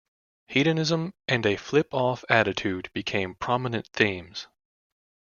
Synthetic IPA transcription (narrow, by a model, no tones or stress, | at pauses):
hiɾɨnɪzə̃mʔɨ̃nɨflɪpɔfæɾɨtʰʉd̚b̥ɨkʰẽɪ̃mpʰɹ̥ɑmənɨ̃nθĩmz̥